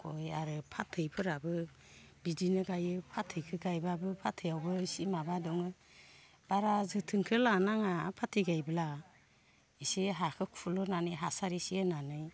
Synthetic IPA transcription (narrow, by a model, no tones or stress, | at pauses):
kʰojaɾɯpʰatʰːɯjpʰɯɾabɯ | bidinɯɡajɯpʰatʰɯjkʰɯɡajbabɯpʰatʰɯjawbɯisimabadɔŋɯ | b̥aɾazɯtʰɯŋkʰɯlanaŋapʰatʰiɡajbɯla | isiɦakʰɯkʰulɔnanɯjɦasaɾisiananɯj